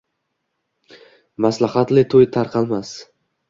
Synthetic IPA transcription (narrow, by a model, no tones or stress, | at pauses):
maslahat̪lɪt̪ʰojt̪ʰaɾqʰɑlˠmas